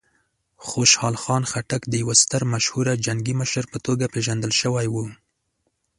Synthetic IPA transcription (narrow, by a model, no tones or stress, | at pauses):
xoʃhɑlxɑnxaʈakd̪əjawast̪əɾmaʃhuɾad͡ʒaŋɡiməʃəɾpət̪oɡapeʒand̪əlʃəwajwu